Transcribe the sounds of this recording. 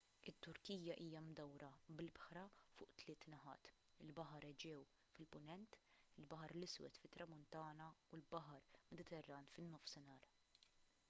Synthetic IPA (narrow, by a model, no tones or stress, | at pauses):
ɪt̪ːʊɾkiːjɐʔiːjɐmd̪ɐwɾɐbɪlɪbħɾɐfʊ̰ːʔt̪lɪːt̪nɐħɐ̰ːt̪ | ɪlbɐħɐɾɛd͡ʒɛːw | fɪlpʊnɛnt̪ɪlbɐħɐɾlɪswɛ̰t̪fɪt̪ːɾɐmʊnt̪ɐːnɐulbɐħɐɾmɛd̪ɪt̪ɛrːɐːnfɪnːɔfsɪnɐːɾ